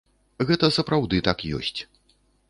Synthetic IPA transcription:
ɣɛt̪ɐsɐpɾawd̪ɨt̪akjɔ̰sʲt͡sʲ

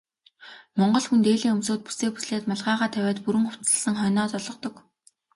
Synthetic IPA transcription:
mɔɴɢɞ̆ɮxunt̪eːɮiːŋɵmsoːt̪̚pu̥seːkpu̥sɮeːt̪maɮʁaːʁaːt̪ʰæwʲæːt̪puɾɘ̆ŋχʊw̥t͡sə̆ɮsə̆ŋχœːnɔːt͡sɔɮɞ̆qt̪ɞ̆k

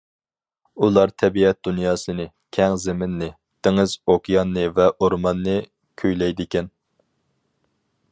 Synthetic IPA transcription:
ulˠɑɾt̪ʰɛbiɛt̪̚d̪unjɑːsɨnɨ | kʲʰɛŋzɪmɪnːɪ | d̪̥ɪŋɨzokjɑnːɨvɛʔoɾmɑnːɨ | kʲʰøjlɛjd̪ɪkʲɛn

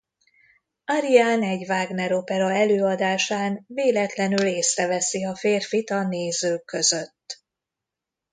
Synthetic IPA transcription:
aɾiaːnɛɟvaːɡnɛɾo̞pɛɾɒɛløːɒd̪aːʃaːnveːlɛt̪lɛnyleːsrɛvɛsiɒfeːrfit̪ɒneːzøːkːø̞zø̞t̪ː

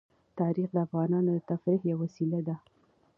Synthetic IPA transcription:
t̪ɑɾixd̪əafɣɑnɑnod̪ət̪afɾihjawːasilad̪a

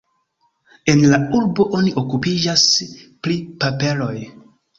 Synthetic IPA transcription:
e̞nlauɾbo̞ʔo̞niʔo̞kupid͡ʒasplipape̞lo̞j

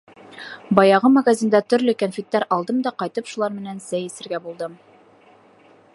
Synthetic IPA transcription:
bɑjɑʁɤmɐɡazʲind̪æt̪ɵ̆ɾlɵkænfʲit̪ːæɾɑlˠd̪ɤmd̪ɑqɑjt̪ɤpʃulˠɑɾmɘ̆nænsæjɘ̆sɘ̆ɾɡæbulˠd̪ɤm

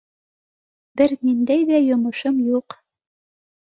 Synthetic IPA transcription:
bɘɾnind̪æjðæjŏmŏʃɤmjuq

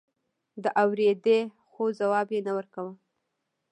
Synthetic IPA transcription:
d̪əʔawɾed̪e | xozawɑbjenawəɾkawəl

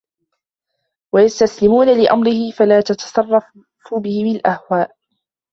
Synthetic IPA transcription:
wajast̪aslɪmuːnalɪʔa̰mɾɪhɪfalaːt̪ɑt̪ɑ̥sˤɑrˤːɑ | fʊbɪhɪmalʔahwaːʔ

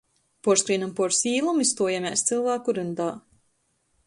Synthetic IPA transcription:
pɔɾskɾiːnɨmpɔɾsiːlˠumist̪uɔjamʲast̪sɨlˠvaːkuɾɨnd̪aː

